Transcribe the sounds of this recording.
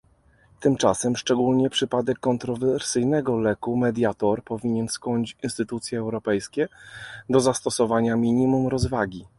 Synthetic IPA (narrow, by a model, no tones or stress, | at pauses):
t̪ɘmt͡ʂa̰sɛmʂt͡ʂɛɡulɲɛpʂɘpad̪ɛkːɔnt̪ɾɔvɛɾsɘjnɛɡɔlɛkumɛd̪ʲjat̪ɔɾpɔvʲiɲɛnskɔɲt͡ɕinst̪ɘt̪ut̪sʲjɛːwɾɔpɛjskʲɛd̪ɔzast̪ɔsɔvaɲamʲiɲimumɾɔzvaɡʲi